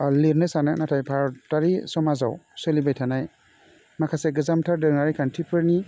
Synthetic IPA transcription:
liɾnɯsananatʰajpʰaɾtaɾisɔmaza̰wselibajtʰanaj | makʰaseɡɯzamtʰaɾdɯaɾijkʰantʰipʰɯɾni

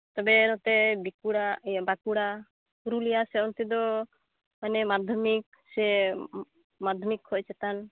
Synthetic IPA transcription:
t̪ɔbɛnɔt̪ɛbikuɽabakuɽa | uɾulijasɛɔnt̪id̪ɔ | manɛmad̪ʱɔmik̚ | sɛ | mad̪ʱɔmikhoʔt͡ʃɛt̪an

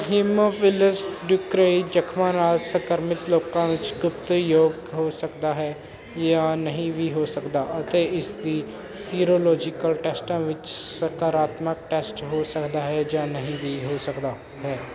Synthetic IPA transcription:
ɦiːmoːpʰɪləsɖjʊkɾed͡ʒəkʰmaːnaːd͡ʒsəkəɾmɪt̪loːkãːʋɪt͡ʃɡʊp̚t̪joːɡɦoːsəkd̪aːɦɛː | jãːnəɦĩːʋʱiːɦoːsəkd̪aːət̪eːɪsd̪iː | siːɾoːlɔːd͡ʒɪkəlʈɛːsʈãːʋɪt͡ʃsəkaːɾaːt̪mək̚ʈɛːsʈɦoːsəkd̪aːɦɛːd͡ʒãːnəɦĩːʋiːɦoːsəkd̪aː | ɦɛː

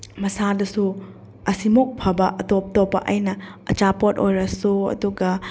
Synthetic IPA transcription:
mɐsadɐsu | ɐsimok̚pʰɐbɐʔɐtop̚topːɐ̰ʔɐjnɐɐ̰t͡ʃapotojɾɐsuɐ̰duɡɐ

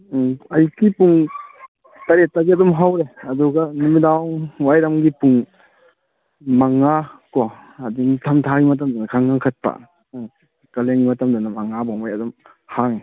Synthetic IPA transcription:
ajkipuŋ | tɐɾet̚ːaɡiɐdɔmɦawɾeɐduɡɐnumidawwajɾamɡipuŋ | maŋːakɔadinitʰamtʰaɡimɐt̬amdɔnɐkʰaŋkaŋkʰat̚pa̰ | kɐleŋimɐtamdɔnamaŋabaŋajɐdɔm | haŋi

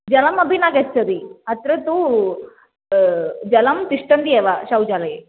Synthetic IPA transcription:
d͡ʒɐlɐmɐbʱinaːɡet͡ʃːɐd̪iɐt̪ɾɐt̪u | d͡ʒɐlɐmt̪iʂʈɐnd̪ieːʋaʃɐwd͡ʒaːlɐ

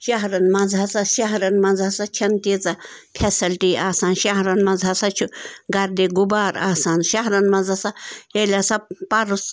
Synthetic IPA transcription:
ʃɐɦɾɐnmɐd͡zʱasaʃɐɦɾɐnmɐd͡zʱasat͡ʃʰɐnt̪iːt͡sɐ | pʰɛsɐlʈiːaːsaːnʃɐɦɾɐnmɐd͡zʱasat͡ʃʰuɡɐɾd̪eɡubaːɾaːsaːnʃɐɦɾɐnmɐd͡zʱasajelʲasɐpɐɾus

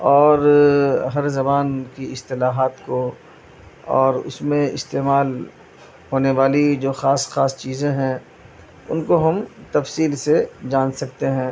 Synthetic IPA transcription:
ɔːɾɦɐɾzɐbaːnkiɪst̪ɪlaːɦaːt̪ko | ɔːɾʊ̰smẽɪ̰st̪eːmaːl | hoːneʋaːlid͡ʒoːxaːsxaːst͡ʃiːzẽɦɛ̃ː | ʊ̰nkoɦɐmt̪ɐfsiːlsed͡ʒãːnsɐk̚t̪eɦɛ̃ː

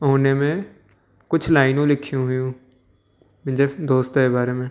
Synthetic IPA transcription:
ɦoːnemẽ | kʊt͡ʃʰlaːɪnũlɪkʰjũɦʊjũː | mɪ̃ɲd͡ʒəd̪oːst̪ɦebaːɾemẽː

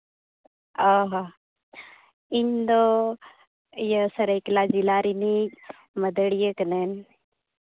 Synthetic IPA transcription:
aɦa | iɲd̪o | jəsəɾeklad͡ʒilaːɾini | məd̪əɽijəknen

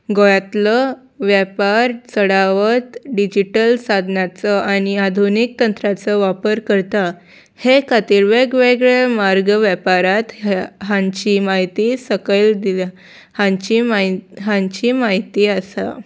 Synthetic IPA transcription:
ɡojat̪lə | ʋjɛpaɾt͡səɽaʋət̪ɖid͡ʑiʈəlsad̪ʱnat͡səʔaɽ̃iad̪ʱunik̚t̪ənt̪ɾat͡səʋapəɾkəɾt̪a | hekat̪iɾʋeɡʋeɡɭemaɾɡʋjapaɾat̪ɦãɲt͡ɕimaɦit̪isəkəld̪il | hãɲt͡ɕimaɦãɲt͡ɕimaɦit̪iːasa̰

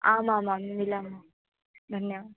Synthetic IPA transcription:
aːmaːmaːmmilaːmaː | d̪ʱɐnːejaː

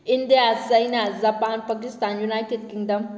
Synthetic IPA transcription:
ɪnd̪ijasɐinazapaːnpɐkɪst̪aːnjunaːjʈed̚kɪŋd̪ɐm

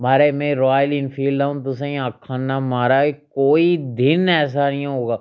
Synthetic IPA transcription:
maːɾemɛ̃ɾɔːjlɪnfʰiːlaːũt̪ʊs̬ẽĩakʰːaːnamaːɾaekoːid̪ɪnɛːs̬anɐɦĩɦoːɡaː

